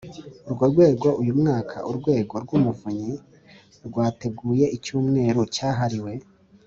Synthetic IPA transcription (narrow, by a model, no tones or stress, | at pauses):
uɾɡo̞ɾɡwe̞ːɡo̞ʔujumŋaːkʰa̰ʔuɾɡwe̞ːɡo̞ɾɡwumuvuɲi | ɾɡwaːte̞ɡuːje̞ʔicuːmŋe̞ːɾocaːɦaɾiwe̞